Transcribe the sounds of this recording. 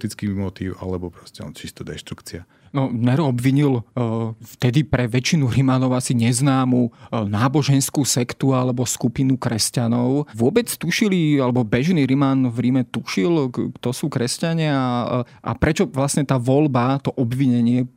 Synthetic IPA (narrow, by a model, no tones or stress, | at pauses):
t̪it͡skimɔt̪iːʊa̰lɛbɔpɾɔscɛɔ̰nt͡ʃist̪ud̪ɛʃt̪ɾukt͡sia | nɔnɛɾɔbʋiɲil | ft̪ɛd̪ipɾɛʋɛt͡ʃinuɾimanɔʊasiɲɛznaːmunaːbɔʒɛnskuːsɛkt̪ualɛbɔskupinukɾɛscanɔʊʋʊɔbɛt͡st̪uʃilialɛbɔbɛʒniːɾimanvɾimɛt̪uʃilkt̪ɔsuːkɾɛscaɲɪaa | ʔa̰pɾɛt͡ʃɔʋlasɲɛt̪aːʋɔlbat̪ɔʔɔbʋiɲɛɲɪɛ